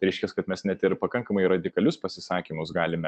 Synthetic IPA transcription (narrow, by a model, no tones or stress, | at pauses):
ɾʲɛɪʃʲkʲɛskɐt̪mʲɛsnʲɛt̪ɪɾpɐkɐŋkɐmɐɪɾɐd̪ʲɪkɐlʲʊspɐsʲɪsɑːkʲimʊsɡɑːlʲɪmʲɛ